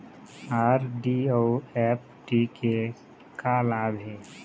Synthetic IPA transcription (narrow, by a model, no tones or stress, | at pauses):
aːɾɖioɛp̚ʈike | kalaːbʱi